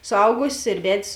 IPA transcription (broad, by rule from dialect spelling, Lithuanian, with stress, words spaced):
sʊˈɐʊɡʊsʲeːs ɪr ˈʋʲɛtʲsʲ